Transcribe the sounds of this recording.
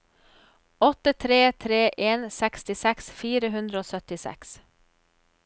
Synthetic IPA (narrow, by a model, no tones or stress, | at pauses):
ɔt̪ət̪ʰɾeːt̪ʰɾeːʔeːnsɛkst̪ɪsɛksfiːɾəɦʉnd̪ɾəoːsœt̪ɪsɛ̰ks